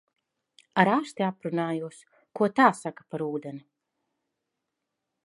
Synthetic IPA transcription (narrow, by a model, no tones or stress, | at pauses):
aɾast̪ʲiapɾunaːjuɔs | kuɔt̪aːsakḁpaɾuːd̪eni